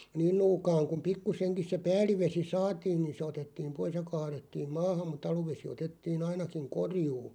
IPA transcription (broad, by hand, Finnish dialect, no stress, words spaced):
niːn nuːkɑːŋ kum̆ pikːuseŋkis se pæːlˑiʋesi sɑːtiːn̞ niːn se otetːiːm̆ pois jɑ kɑːretːiːm mɑːhɑm̆ mut̆ ɑluʋesi otetːiːn ɑinɑkiŋ korjuː